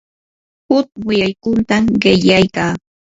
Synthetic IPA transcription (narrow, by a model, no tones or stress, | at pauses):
hʊt̪̚wɪjajkʊnt̪amɢɪʎajkaː